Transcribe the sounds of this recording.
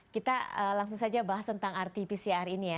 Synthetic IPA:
kit̪aəlaŋs̬ʊŋsad͡ʒabaɦast̪ənt̪aŋart̪ipisiarinija

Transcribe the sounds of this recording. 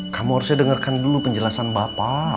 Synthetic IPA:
kamuɦaɾusjadəŋərkandulupəɲd͡ʒəlasanbapa

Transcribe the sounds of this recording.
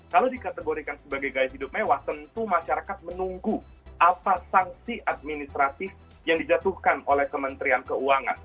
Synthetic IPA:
kalowdikat̪əɡoɾikansəbaɡajɡajɦidʊp̚mewaht̪ənt̪umaʃaɾakat̪̚mənuŋɡu | ʔapasaŋsiʔad̪̚minist̪ɾat̪ɪf | jaŋdid͡ʒat̪uhkanolɛhkəmənt̪ɾiankəuaŋa̰n

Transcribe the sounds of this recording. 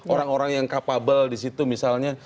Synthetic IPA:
oɾaŋoɾaŋjaŋkapabaldisit̪umisalɲa

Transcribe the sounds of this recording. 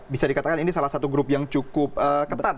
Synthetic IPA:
bisadikat̪akaninisalasat̪uɡɾʊp̚jaŋt͡ʃukʊp̚əkət̪at̪̚

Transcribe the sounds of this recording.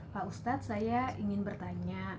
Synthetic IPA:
paust̪at̪̚sajaiŋɪnbərt̪aɲa

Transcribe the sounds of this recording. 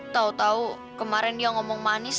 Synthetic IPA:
t̪aut̪au | kəmaɾɪnjɔŋɔmɔŋmanɪs

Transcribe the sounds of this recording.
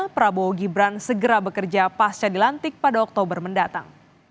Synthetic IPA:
pəɾaboɡibɾansəɡəɾabəkərd͡ʒapast͡ʃadilant̪ɪk̚padaɔk̚t̪obərməndat̪a̰ŋ

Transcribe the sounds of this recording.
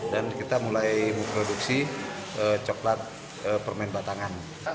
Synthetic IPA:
dankit̪amulajməpɾoduksi | ət͡ʃɔklat̪̚ | əpərmaɪnbat̪aŋan

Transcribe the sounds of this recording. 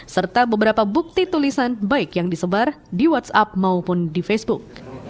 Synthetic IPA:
sərt̪abəbəɾapabuk̚t̪it̪ulisanbaɪkjaŋdisəbar | diwat̪sap̚maupʊndifesbuk̚

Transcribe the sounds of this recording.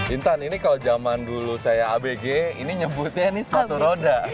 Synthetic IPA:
bint̪aninikalod͡ʒamandulusajaːbeɡeiniɲəbʊt̪̚ɲanisəkat̪uɾoda

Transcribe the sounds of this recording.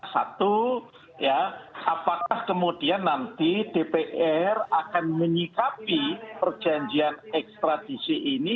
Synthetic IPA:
sa̰t̪u | jaʔapakahkəmud̥ianːant̪id̥epeʔɛrakanməɲikapipərd̥ʒ̥a̤ɲd͡ʒianɛkst̪ɾad̥isiʔːni

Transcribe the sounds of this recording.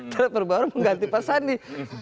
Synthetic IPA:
t̪aɾapərbaɾaməŋɡant̪ipasanːi

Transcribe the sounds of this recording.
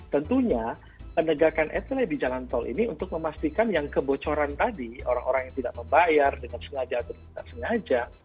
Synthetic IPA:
t̪ənt̪uɲa | pənəɡakanʔɛt̪əlebid͡ʒalant̪ɔlʔḭniunt̪ʊk̚məmast̪ikanjaŋkəbot͡ʃoɾant̪adio̰ɾaŋʔoɾaŋjaŋt̪ida̰ʔ̚məmbajardəŋansəŋad͡ʒat̪uki̥t̪a̰ʔsəŋad͡ʒa

